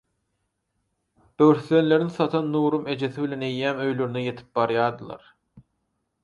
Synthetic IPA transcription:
b̥øwɾθle̞nle̞ɾiŋθɑt̪ʰɑnːuːɾume̞d͡ʒe̞θiβilʲe̞ne̞jːæːmø̞jlø̞ɾyneje̞t̪ʰi̥p̚bɑɾjɑːd̪ɯlˠɑ̰ɾ

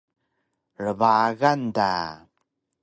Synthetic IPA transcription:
ɾəvaɣanda̰

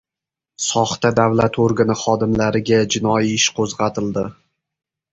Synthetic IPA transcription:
sɒχt̪ad̪avlat̪ʰoɾɡanɪχɒd̪ɪmlaɾɪɡʲad͡ʒɪnɒjiɪʃqʰozʁɑt̪ʰɪld̪ɪ

